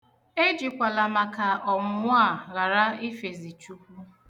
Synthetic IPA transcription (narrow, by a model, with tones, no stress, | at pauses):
e˦d͡ʒi˨kʷa˨la˨ma˨ka˨ʔɔ˨mʊ˨˦mʊ˦a˦˨ɣa˨ɾa˦ɪ˦fe˨zi˨t͡ʃu˦kʷu˦